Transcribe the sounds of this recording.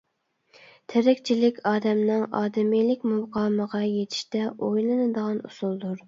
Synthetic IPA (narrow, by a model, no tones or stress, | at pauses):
t̪ʰɪɾɪkʲt͡ʃʰilɪkʲʰɑːd̪ɛmnɪŋɑ̰ːd̪ɪmilɪk̚ʲmuwqɑːməʁɑjet̪ʰi̥ʃt̪ɛojlˠɨnɨd̪əʁɑnṵsulˠd̪uɾ